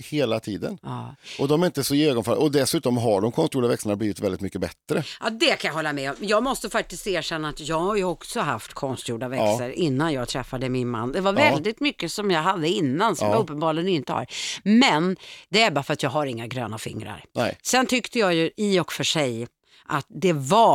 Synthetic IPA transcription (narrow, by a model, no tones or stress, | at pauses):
heːlat̪ʰiːd̪ə̰nɑːʔɔd̪ɔmɛɾɪnt̪əsɔɪøːɡɔnfal̰ɔd̪ɛsʉ̟ːt̪ɔmɦaɖɔmkʰɔnst̪juːɖavɛksəɳabliːvɪt̪vɛld̪ɪt̪mʏkːəbɛt̪ːɾəʔɑd̪ɛkʰanjaɦɔlːamɛɔmjɑːɡmɔst̪əfak̚t̪ɪst̪eːʂɛnːaːt̪jɑːɡhaɾjɵɔksɔɦaft̪kʰɔnst̪juːɖavɛkssəɾʔɪnːanjɑːɡt̪ʰɾɛfːad̪əmɪnma̰nːd̪ɛvaɾvvɛld̪ɪt̪mʏkːəsɔmjɑːɡɦad̪ːəɪnːansɔmaɾɵpːənbɑːɾlɪɡənɪnt̪əha̰ɾmɛnd̪ɛæɾbɑːɾafəɾat̪jɑːɡɦaɾɪŋːaɡɾøːnafɪ̰ŋːɾa̰ɾɛsɛnt̪ʰʏkt̪əjɑːjɵʔɪɔkfœʂɛj | ʔat̪̚d̪ɛva